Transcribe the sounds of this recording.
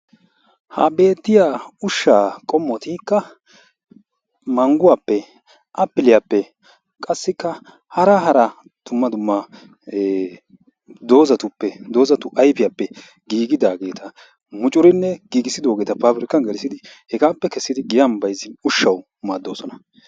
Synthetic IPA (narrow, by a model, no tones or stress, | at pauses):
hɐ̰be̞ːt̪ːɪjaːʊʃːaːkʼɔmːɔt̪iːkːɐ | mɐŋɡʊwaːpːɛ | ʔɐpːɪlɪjapːɛ | kʼɐsːɪkːɐ | hɐɾɐɦɐɾɐ | d̪̥ʊmːɐd̪ʊmːɐ | d̪o̞ːzɐt̪ʊpːɛd̪o̞ːzɐt̪ʊʔɐjpɪjapːɛ | ɡiːɡɪd̪aːɡe̞ːt̪ʰɐ | mʊt͡ʃʼʊɾɪnːɛɡ̥iːɡɪsːɪd̪o̞ːɡe̞ːt̪ɐpaːbɾɪkːɐnɡɛlsɪd̪ɪ | hɛɡaːpːɛkɛsːɪd̪ɪɡɪjɐmbɐjzɪnʊʃːɐw | maːd̪ːo̞ːsɔnɐ